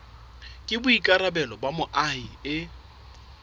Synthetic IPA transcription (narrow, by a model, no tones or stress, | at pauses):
kʼɪbʊikʼaɾabɛlɔbamʊʔaiɪ